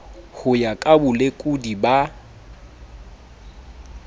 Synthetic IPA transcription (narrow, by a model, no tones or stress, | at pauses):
hʊjakʼabʊlekʼʊdiba